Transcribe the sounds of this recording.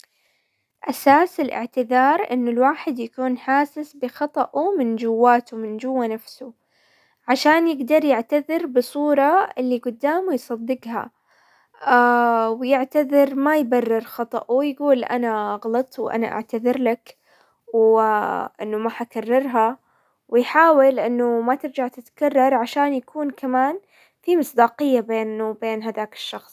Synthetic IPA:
ʔasaːsɪlʔɪ̰ʕt̪ɪðɑːɾˤʔɪnːʊlwaːħɪd̪jakuːnħaːsɪsbɪxɑt̪ˤɑʔumɪnd͡ʒʊwːaːt̪umɪnd͡ʒʊwːanafsu | ʕaʃaːnjɪɡd̪ɑɾˤjɪʕt̪aðɪɾbɨsˤuːɾˤɑɪlːiɡʊd̪ːaːmujsˤɑd̪ːɪɡha̰ | wjɪʕt̪aðɪɾmajbarːɪɾxɑt̪ˤɑʔujɡuːlʔa̰naɣɑlɑt̪ˤwʔa̰na̰ʔa̰ʕt̪aðɪɾlak | w | ʔɪ̰nːʊmaħakarˤːɪɾˤɦa | wɪjħaːwɪlʔɪnːʊmat̪ɪɾd͡ʒaʕt̪ɪt̪karˤːɑɾˤʕaʃaːnjakʰuːnkamaːn | fimɨsˤd̪ɑːqɪjːabeːnbeːnɦaðaːkɪ̥ʃːɑxsˤ

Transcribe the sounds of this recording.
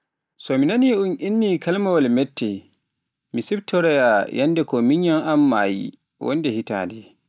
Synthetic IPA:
sɔminaniunʔinːikalmawalmɛtʰːɛ | misibtːɔɾɛjajʔanːdɛkɔmiɲːanamːa̰ːjḭ | wɔ̰ndɛhita̰ːdɛ

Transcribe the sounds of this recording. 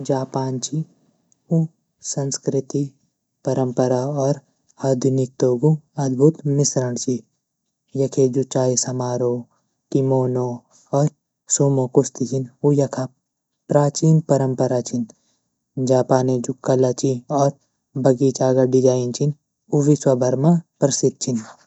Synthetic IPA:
d͡ʒaːpaːnt͡ʃi | u | sɐ̃nskɾɪt̪i | pɐɾəmpəɾaɔːɾ | ad̪ʱʊnik̚t̪oːɡuɐd̪bʱut̪mɪsɾəɳ̃t͡ʃi | jɐkʰed͡ʒut͡ʃaːisɐmaːɾoː | ʈimoːno | ɔːɾ | suːmokost̪it͡ʃinujɐkʰa | pɾaːt͡ʃiːnpɐɾə̃mpɐɾat͡ʃin | d͡ʒaːpaːned͡ʒukːɐlat͡ʃiɔːɾ | bɐɡiːt͡ʃaːɡɐɖid͡ʒaːint͡ʃin | uʋiswɐbʱɐɾmapɾɐsɪd̪̚t͡ʃʰin

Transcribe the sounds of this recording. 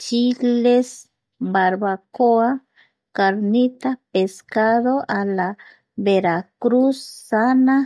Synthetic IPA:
t͡ʃiles | baɾβakoa | kaɾnit̪apeskaðoʔala | βeɾakɾusːana

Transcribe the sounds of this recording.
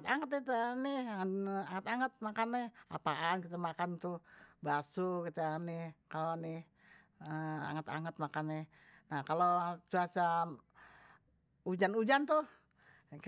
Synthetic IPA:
t̪aŋət̪it̪anɪhaŋət̪aŋət̪̚makanːɪha̰paʔankit̪amakant̪ubasukit̪aanɪhkalonɪh | əa̰ŋət̪a̰ŋət̪̚makanːɪh | nahkalot͡ʃuasa | ud͡ʒanud͡ʒant̪uh | k

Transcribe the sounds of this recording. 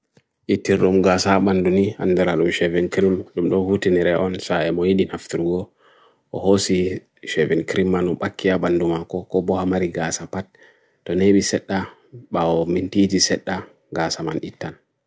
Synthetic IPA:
ʔitːiɾɗumɡaːsaɓandunia̰nːdɛɾaɗumʃɛvɛnkɾimɗumɗɔhutiniɾɛʔɔnsaɛmɔjiɗinaftiɾɡɔ | ʔɔhosi | ʃɛvɛnkɾimːanumɓakʰːiaɓandumakɔkɔbɔhamaɾiɡasapat̚ː | ɔneɓisɛɗːa | ɓaɔmintid͡ʒisɛɗːa | ɡasamanitːan

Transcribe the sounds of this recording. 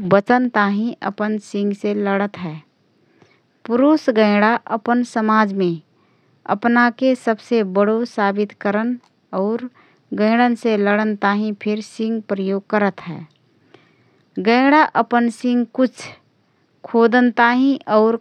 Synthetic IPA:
bət͡ʃənt̪aːɦĩʔə̰pənsɪ̃ŋɡseləɽət̪ɦɛː | pʊɾusɡə̃ɪɽaʔəpənsəmaːd͡ʒmẽ | ə̰pnakesəbsebəɽosaːbɪt̪kəɾən | ɔːɾ | ɡə̃ɪɽənseləɽənt̪aːɦĩpʰɪɾsɪ̃ŋɡpɾəjoːɡ̚kəɾət̪ɦɛ̰ː | ɡə̃ɪɽaʔəpənsɪ̃ŋɡkʊt͡ʃʰ | kʰoːd̪nt̪aːɦĩʔɔːɾ

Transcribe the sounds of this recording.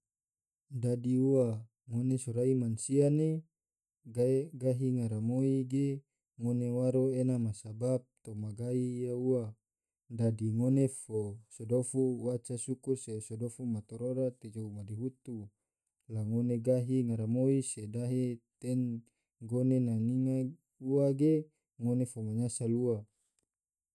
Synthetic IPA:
dadiua | ŋonesoɾaimansiane | ɡaeɡaɦiŋaɾamoiɡe | ŋonewaɾoenamasabap̚t̪omaɡaijaua | dadiŋonefosodofuwat͡ʃasukursesodofumat̪oɾoɾat̪ed͡ʒoumadiɦut̪u | laŋoneɡaɦiŋaɾamoisedaɦet̪ɛn | ɡonenaniŋa | uaɡe | ŋonefomaɲasalua

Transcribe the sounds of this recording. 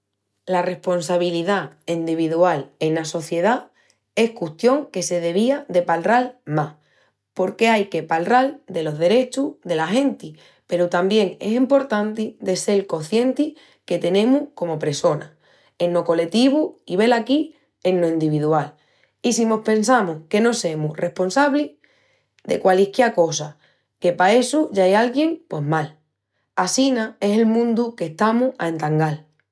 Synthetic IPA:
lare̞hpo̞nsaβiliðaind̪iβiðuale̞naso̞θje̞ð̞a | e̞hkuht̪jo̞ŋke̞se̞ðe̞β̞iaðe̞palralmah | po̞ɾke̞ajke̞palrald̪e̞lo̞ɦðe̞ɾe̞t͡ʃuðe̞laɦe̞nt̪i | pe̞ɾut̪ambje̞ŋe̞̰simpo̞ɾt̪ant̪iðe̞se̞lko̞θje̞nt̪i | ke̞t̪e̞nẽ̞muhko̞mo̞pɾeso̞na | e̞nːo̞ko̞le̞t̪iβuiβ̞e̞laki | e̞nːo̞ind̪iβ̞iðual | isimo̞hpẽ̞nsamuhke̞no̞se̞murʔe̞hpo̞nsaβli | d̪e̞̰kwalihkjeko̞sa | ke̞pae̞suʝaajalɣje̞ŋpwe̞ɦmal | asinae̞se̞lmũnd̪uke̞ht̪amua̰ent̪aŋɡal

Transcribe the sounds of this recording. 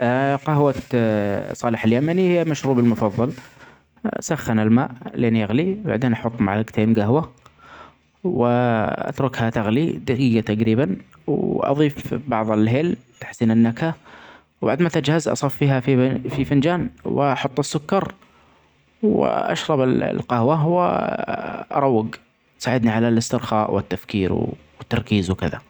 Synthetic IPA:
qaɦwat̪sˤɑːlɪħaljamanihɪjːamaʃɾuːbɪlmʊfɑðˤːɑl | saxːanɪlmaːʔleːnjaɣliba̰ʕd̪eːnʔɑħʊt̪ˤːmaʕlɪɡt̪ʰeːnɡaɦwa | wɪʔa̰t̪ɾʊkhat̪aɣlid̪akɪjːat̪aɡɾiːban | wʔɑ̰ðˤiːfbɑʕðˤɪlɦeːlt̪ḁħsiːnɪnːakha | wba̰ʕd̪mat̪ad͡ʒhazʔɑ̰sˤɑfːiːɦaffifɪnd͡ʒaːnwɪ̰ʔɑħʊt̪ˤːɪsːʊkːɑɾˤ | w̰ʔa̰ʃɾˤɑbɪl̰lqahwawɪ̰ | ʔɑ̰ɾˤɑwːɪɡ | t̪saːʕɪd̪niʕalalɪst̪ɪɾxaːʔwɪt̪ːafkiːɾw | ɪt̪ːɑɾˤkiːzwkɪða̰

